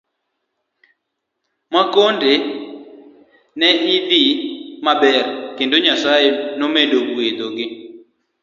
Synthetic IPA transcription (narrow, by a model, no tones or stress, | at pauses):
makondʱe | nɛʔivimaɓɛrkɪndʼoɲasajenomendoɡwed̪oɡɪ